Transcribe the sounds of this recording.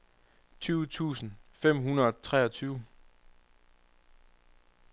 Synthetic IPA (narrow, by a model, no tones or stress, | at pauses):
t͡sʰyːʊt͡sʰṵːsn̩fem̰ɦunɐðˠɒt͡sʰʁɛːɒ̽t͡sʰyːʊ